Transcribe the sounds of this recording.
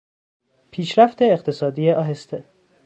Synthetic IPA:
pʰiːʃɾæft̪eːqt̪ʰe̞sɒːd̪iːeʔɒːɦest̪ʰe

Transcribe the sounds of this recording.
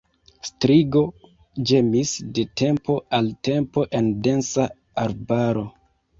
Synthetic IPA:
stɾiɡo̞ | d͡ʒe̞misde̞tʰe̞mpo̞alte̞mpo̞ʔe̞nde̞nsa | aɾbaɾo̞

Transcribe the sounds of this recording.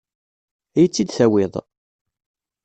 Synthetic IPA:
æjət͡sːid̪θæwɪðˤ

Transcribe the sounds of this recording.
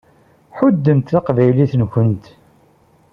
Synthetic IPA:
ħʊd̪ːəmt̪θaqvæjliθənkʷənt̪

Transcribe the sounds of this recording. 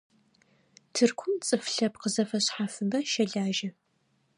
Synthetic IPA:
tʰɨrkʷʰʊmt͡sʼɨfɬɐpqəzɐfɐɕħafɨmɐʃɐɮaːʒɐ

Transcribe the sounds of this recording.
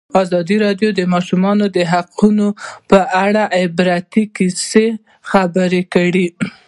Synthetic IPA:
ɑzɑd̪iɾɑɖjod̪əmɑʃumɑnod̪əɦaqunopəʔaɽaʔɪbɾat̪ikise | xabəɾekəɽi

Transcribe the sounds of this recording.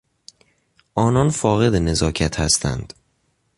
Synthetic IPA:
ʔɒːnɒːnfɒːɣe̞d̪ene̞zɒːcʰæt̪ʰhæst̪ʰæ̰nd̪̥

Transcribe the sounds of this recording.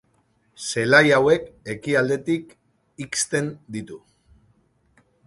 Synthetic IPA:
se̞lajawe̞ke̞kiald̪e̞t̪ik | ikst̪e̞nd̪it̪u

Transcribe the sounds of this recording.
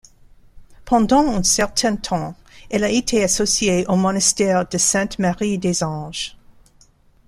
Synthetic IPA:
pʰɑ̃d̪ɑ̃ɛ̃nsɛʁt̪ʰɛ̃t̪ʰɑ̃ | ɛlaet̪ʰeasɔsjeʔomɔ̃nast̪ɛʁd̪əsɛ̃t̪maʁid̪ezɑ̃ʒ̥

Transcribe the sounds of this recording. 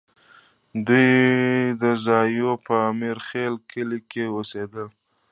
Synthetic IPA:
d̪ujd̪əzɑjopəːmiɾxelkəlikewosed̪əl

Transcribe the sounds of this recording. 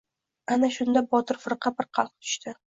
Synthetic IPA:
anaʃʊnd̪abɒt̪ʰɪɾfɨɾqʰɑpɪɾqʰɑlˠq̚t̪ʰʊ̥ʃt̪ɪ

